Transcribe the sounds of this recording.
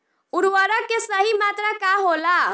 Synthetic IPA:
uɾʋəɾəkːesəɦimat̪ɾakaɦola

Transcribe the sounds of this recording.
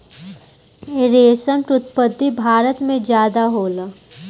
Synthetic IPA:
eɾeːsəmʈɾʊt̪pəd̪ʱːibʱaːɾət̪mẽd͡ʒjaːd̪aɦoːla

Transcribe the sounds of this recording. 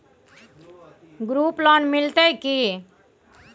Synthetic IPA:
ɡɾuːplɔːnmɪlt̪eki

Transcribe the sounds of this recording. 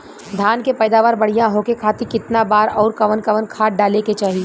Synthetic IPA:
d̪ʱaːnkepɛːd̪aːʋaɾbɐɽ̤ijãɦokekʰaːt̪ikɪt̪nabaːɾɔːɾkɐʋənkɐʋənkʰaːʈ̚ɖaːleket͡ʃaːɦi

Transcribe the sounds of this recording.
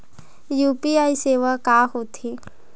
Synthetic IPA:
juːpiaːiseːʋakaːɦoːt̪ʰiː

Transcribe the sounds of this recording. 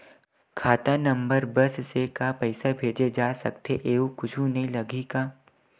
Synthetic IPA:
kʰaːt̪anɐ̃mbəɾbɐssekapɛɪsabʱeːd͡ʒed͡ʒaːsɐ̰kt̪eʔeːukʊt͡ʃʰũneĩlɐɡʱikaː

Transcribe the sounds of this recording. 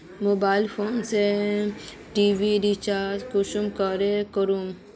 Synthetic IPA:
mobaːɪlpʰoːnse | ʈiʋiɾit͡ʃaːzkuʃumkəɾekəɾum

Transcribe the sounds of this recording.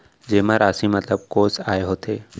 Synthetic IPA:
d͡ʒeːmãɾasĩmɐt̪ləb̚koːsaːeɦot̪ʰeː

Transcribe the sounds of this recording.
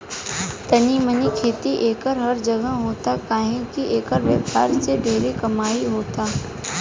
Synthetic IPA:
t̪ɐnimənikʰeːt̪iʔeːkəɾɦɐɾd͡ʒɐɡəɦoːt̪akaːɦẽkiʔeːkəɾʋəʋaːɾsebʱeːɾekɐmaːiɦoːt̪aː

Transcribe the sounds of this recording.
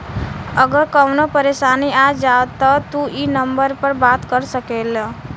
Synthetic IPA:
əɡəɾkəwnopəɾesaniad͡ʒat̪ːət̪uʔinəmbəɾpəɾbat̪kəɾsəkel

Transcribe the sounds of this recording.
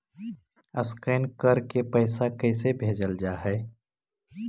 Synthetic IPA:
əskəːnkəɾkepəɪsakɛːsebʱeːd͡ʒəld͡ʒaːɦɛː

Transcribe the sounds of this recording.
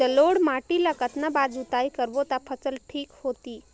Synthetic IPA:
əloɽmaʈilakət̪nabad͡zut̪ajkəɾʋot̪apʰət͡səlʈʰiːkhot̪iː

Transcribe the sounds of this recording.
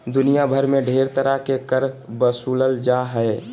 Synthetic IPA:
d̪ʊnijabʱəɾmẽɖʱeːɾt̪əɾakekəɾbəsuːləld͡ʒaɦɛe

